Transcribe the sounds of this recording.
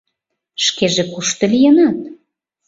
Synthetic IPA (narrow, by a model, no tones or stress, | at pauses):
ʃkeʒekuʃt̪ə̆lijənɑt̪̚